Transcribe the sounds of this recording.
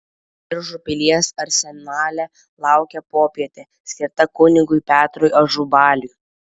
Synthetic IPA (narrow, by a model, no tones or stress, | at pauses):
ɪɾʒʊpʲɪlʲiɛsɐɾʲsʲɛnɑːlʲɛ | lˠɑˑʊkʲɛpoːpʲiɛt̪ʲe | sʲkʲɪɾt̪ɐkʊnʲɪɡʊɪpʲæːt̪ɾojɐʒubɑːlʲʊj